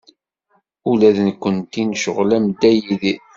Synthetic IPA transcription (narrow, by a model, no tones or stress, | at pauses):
ulæðnkʷːənt̪inʃəʁlæmd̪æjiði